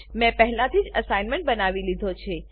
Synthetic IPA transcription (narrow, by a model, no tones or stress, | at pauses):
mɛ̃pəɦlãt̪ʰid͡ʒəsainmẽɳʈ̚bənaʋilid̪ʱot͡ʃʰe